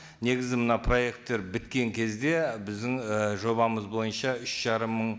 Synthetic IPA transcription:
ne̞ɡʲɪzɪmənɑpʰro̞je̞kt̪ːe̞ɾbɪt̪kʲe̞ŋkʲʰe̞zd̪e̞bɪzd̪ɪŋʒo̞bɑməzbo̞jənʃɑʏʃʒ̥ɑɾəmːəɴ

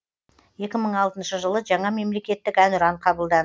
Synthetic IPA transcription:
je̞kʲɪməɴɑlˠt̪ənʃəʒəlˠəʒɑɴɑme̞mle̞kʲe̞t̪ːɪkænʊɾɑɴqʰɑbəlˠd̪ɑn

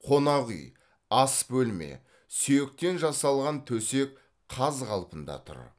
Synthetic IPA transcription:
qʰo̞nɑʁḭj | ɑsbɵlme̞̰ | syjek̚t̪e̞nʒɑsɑlˠʁɑnt̪ʰɵse̞k̚ | qʰːɑzqʰɑlˠpənd̪ɑ̰t̪ʰʊ̰ɾ̰

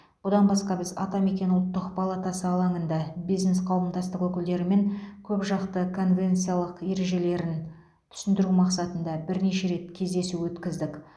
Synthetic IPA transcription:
b̥ʊd̪ɑnbɑsqɑbɪzɑ̰t̪ɑme̞kʲe̞nʊlˠt̪ːəqpʰɑlˠɑt̪ɑsəɑlˠɑɴənd̪ɑbijzne̞sqʰɑwəmd̪ɑst̪əqwɵkʲɪld̪e̞ɾɪme̞ŋkʲʰɵpʒɑqt̪əkʰo̞nvʲe̞nt̪sijalˠəqje̞ɾe̞ʒe̞le̞ɾɪn | t̪ʰʏ̥sɪnd̪ɪɾumɑqsɑt̪ənd̪ɑbɪɾne̞ʃe̞ɾe̞t̪̚kʲʰe̞zd̪e̞suwɵt̪kʲɪzd̪ɪk

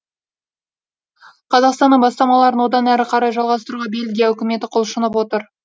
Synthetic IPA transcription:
qʰɑzɑqst̪ɑnəɴbɑst̪ɑmɑlˠɑɾənwo̞d̪ɑnæɾɪqʰɑɾɑjʒɑlˠʁɑst̪əɾuʁɑbe̞lɡʲijaɵkʲɪme̞t̪ɪqʰolˠʃənəpwo̞t̪əɾ

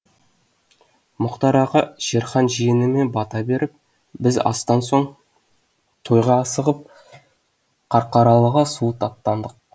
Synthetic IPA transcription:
mʊqt̪ɑɾɑʁɑʒ̥e̞ɾχɑnʒijɪnɪme̞nbɑt̪ɑbe̞ɾɪp̚ | bɪzɑ̰st̪ɑnso̞ɴ | t̪ʰo̞jʁɑːsəʁəp̚ | qʰɑɾqɑɾɑlˠəʁəsuət̪ʰɑp̚t̪ːɑnd̪əq̚

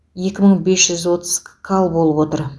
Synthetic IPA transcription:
je̞kʲɪməɴbe̞sʒ̥ʏzwo̞t̪əzkʰalˠbo̞lˠəpwo̞t̪əɾ

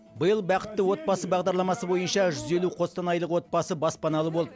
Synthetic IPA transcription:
bəjəlˠbɑqə̥t̪ːəwo̞t̪̚bɑsəbɑʁd̪ɑɾlˠɑmɑsəbo̞jənʃɑʒʏze̞luqʰo̞st̪ɑnɑjlˠəqwo̞t̪̚bɑsəbɑspɑnɑlˠəbo̞lˠd̪ə

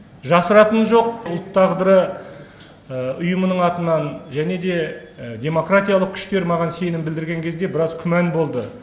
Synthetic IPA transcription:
ʒɑsəɾɑt̪ənʒo̞q̚ʊlˠt̪ʰːɑʁd̪əɾə | əʊjəmənəɴɑt̪ənɑnʒæne̞d̪e̞d̪ʲe̞mo̞krat̪ijaɑlˠəq̚kʲʰʏ̥ʃt̪e̞ɾmɑʁɑnse̞jnɪmbɪld̪ɪɾɡʲeŋkʲʰe̞zd̪e̞bɪɾɑzkʲʰʏmænbo̞lˠd̪ə

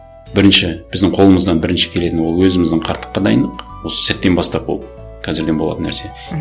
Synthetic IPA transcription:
bɪɾɪnʃɪb̥ɪzd̪ɪɴqʰo̞lˠəməzd̪ɑnbɪɾɪnʃɪ̥kʲʰe̞le̞t̪ɪnwo̞lˠwɵzɪmɪzd̪əɴqʰɑɾt̪ʰːə̥qːɑd̪ɑjənd̪əqwo̞sə̥sæt̪ːe̞nbɑst̪ɑpwo̞̰lˠ | kʲʰæzɪɾd̪e̞nbo̞lˠɑ̰t̪ənːæ̰ɾse̞

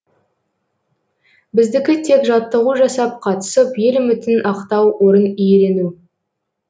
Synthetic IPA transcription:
bɪzd̪ɪkʲɪt̪ʰe̞kʒɑt̪ːəʁuʒɑsɑp̚qʰɑt̪ə̥səpje̞lɪmʏt̪ɪnʔɑqt̪ɑwwʔo̞ɾənijeɾe̞nu

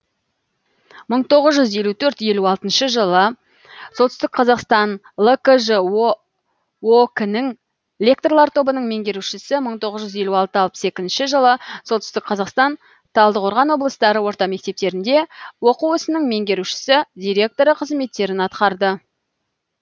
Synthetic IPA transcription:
məɴt̪ʰo̞ʁəzʒʏzje̞lʲut̪ʰɵɾt̪je̞luɑlˠt̪ənʃəʒəlˠə | sot̪ʏst̪ɪk̚qʰɑzɑqst̪ɑn | lˠəkəʒ | oknəŋ | lʲe̞k̚t̪orlˠɑɾt̪ʰo̞bənəɴme̞ŋɡʲe̞ɾuʃɪsɪməɴt̪ʰo̞ʁəzʒʏzje̞luɑlˠt̪əɑlˠpəse̞kʲɪznʃɪʒəlˠəsot̪ʏst̪ɪk̚qʰɑzɑqst̪ɑn | t̪ʰɑlˠd̪əqʰo̞ɾʁɑnwo̞blˠəst̪ɑɾəwo̞ɾt̪ɑme̞k̚t̪e̞p̚t̪e̞ɾɪnd̪e̞wo̞quwʏsɪnəɴme̞ŋɡʲe̞ɾuʃɪ̥sɪd̪ijɾʲe̞k̚t̪o̞ɾəqʰəzme̞t̪ːe̞ɾɪnɑt̪qɑɾd̪ə

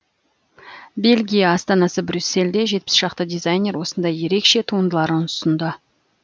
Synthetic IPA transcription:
be̞lʲɡʲijaːst̪ɑnɑsəbɾʲysːe̞ld̪e̞ʒe̞t̪̚pɪ̥sʒ̥ɑqt̪əd̪ijzajnʲe̞ɾwo̞sənd̪ɑjːe̞ɾe̞kʃe̞t̪ʰuənd̪əlˠɑɾənʊsənd̪ə

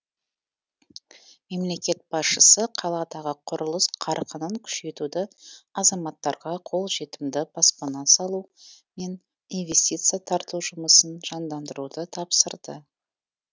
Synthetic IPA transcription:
me̞mle̞kʲe̞t̪̚b̥ɑsʃəsəqʰɑlˠɑd̪ɑʁəqʰʊɾəlˠəsqʰɑɾqənəŋkʲʰʏ̥ʃe̞t̪ud̪ɪɑzɑmɑt̪ːɑɾʁɑqʰo̞lˠʒe̞t̪ɪmd̪ɪpʰɑspɑnɑsɑlˠume̞n | invʲe̞st̪ʲit̪sɨjat̪ʰɑɾt̪uʒʊməsənʒ̥ɑnd̪ɑnd̪əɾud̪ət̪ʰɑpsəɾd̪ə̰

